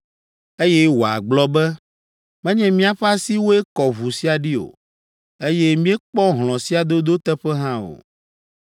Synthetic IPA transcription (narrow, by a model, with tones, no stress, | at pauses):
e˦jɛ˦wo˨a̰˨ɡ͡blɔ˦bɛ˦ | mɛ̃˦ɲɛ̃˨mĩ˦a˨ɸa˦si˦wo˦e˦kɔ˨vu˨si˦a˨ɖi˦o̰˨ | e˦jɛ˦mĩ˦ɛ˦k͡pɔ˦ɦl̃ɔ̃˨si˦a˨d̪o˦d̪o˦t̪ɛ˦ɸɛ˦ɦã˦o̰˨